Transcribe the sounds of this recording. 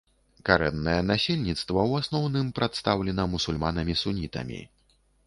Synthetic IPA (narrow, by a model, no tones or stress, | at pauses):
kaɾɛnːɐjɛnasʲelʲnʲit̪st̪vɐwasnɔwnɨmpɾat̪st̪awlʲɛnɐmusulʲmanɐmʲisunʲit̪ɐ̰mʲḭ